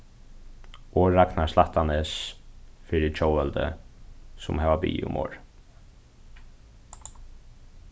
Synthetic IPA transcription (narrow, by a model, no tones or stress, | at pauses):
ʔɔːɾaknaslaht̪anɛsfɪɾɪt͡ʃʰowɛlt̪ə̰ | sʊmɦɛːʋabḭːʊ̰mo̰ːɹ